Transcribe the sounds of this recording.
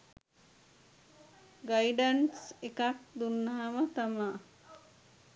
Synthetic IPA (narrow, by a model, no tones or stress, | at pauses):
ɡajiɖansekak̚d̪unːaɦamət̪ama